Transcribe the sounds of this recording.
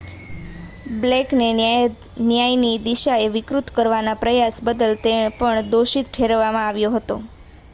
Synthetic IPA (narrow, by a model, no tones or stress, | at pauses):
blekne | njajnid̪iʃaeʋɪkɾut̪kəɾʋanapɾəjasbəd̪əlt̪epəɳd̪oʃit̪ʈʰeɾʋamãaʋjoɦət̪o